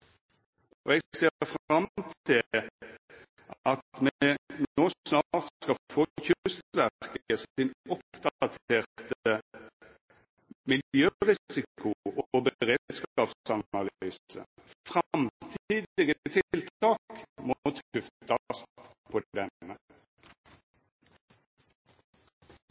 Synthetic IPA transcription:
ɔɛɡseːfʁɑmt̪ʰɪl | ʔɑt̪mɛnoːsnɑʁt̪skɑfoːçʉst̪ʋækəsɪnɔpd̪̥ɑt̪ʰeːʁt̪ə | mɪljøːʁɪssɪkʊʔɔbəʁeːt̪skɑːpsɑmɑlyːsə̰fʁɑmt̪ʰiːd̪ɪɡət̪ʰɪlt̪ɑːkmʊt̪kʰʉft̪ʰɑst̪pʰɔd̪ɛnːə

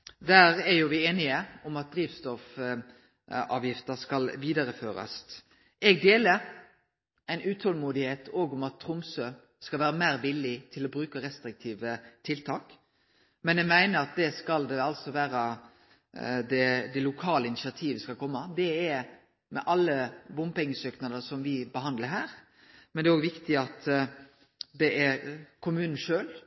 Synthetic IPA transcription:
d̪æːɾæɾjʊʋɪeːnɪəʊmɑt̪̚d̪ɾiːʋst̪ɔf | ɑ̰ːʋjɪft̪əskɑlʋiːd̪ɑɾəføːɾɑ̰s | ɛɡd̪eːləɾ | æɪnʔʉːt̪hɔlmuːd̪ɪheːt̪ʰoːɡʊmɑt̪ʰːɾʊmsø | skɑlʋæːɾəmæːɾʋɪlːɪt̪ʰɪlɔbɾʉːkəɾɛst̪ɾɪk̚t̪ʰiːʋət̪ʰɪlt̪ʰɑːk | mɛnjæmæɪnəɾɑt̪̚d̪ɛskɑld̪ɛɑlsɔʋæːɾə | d̪ɛd̪ɛlʊkʰɑːləɪnɪsɪɑt̪ʰiːʋəskɑlkʰɔmːəd̪ɛɛ | mɛ̰ʔɑlːəbʊmpɛŋːəsøːknɑd̪əsɔmʋɪbəɦɑnd̪ləɾɦæːɾ | mɛnd̪ɛːoːɡʋɪkt̪ɪɑt̪ | d̪ɛʔɛɾkʰʊmʉːnn̩ʂøːl

